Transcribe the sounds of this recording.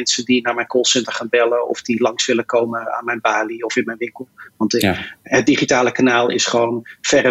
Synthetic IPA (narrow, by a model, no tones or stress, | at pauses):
ɛnsəndinaːɹmɛjnkɔlˠsɛntəχaːnbɛləɔ̰fdilɑŋsʋɪlənkowməa̰ːnmɛjnbaːliɔfɪnmɛjnʋɪŋkəlˠʋɑntɦət̚diχitaːləkanaːlˠɪ̰sχəʋownfɛrə